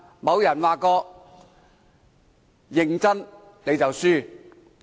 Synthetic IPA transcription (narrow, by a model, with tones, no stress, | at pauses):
mɐ˨˧wjɐ˨˩nwaː˨kɔː˧k̚ | jɪ˨ŋt͡sɐ˥n | ne˨˧jt͡sɐ˨wsyː˥˩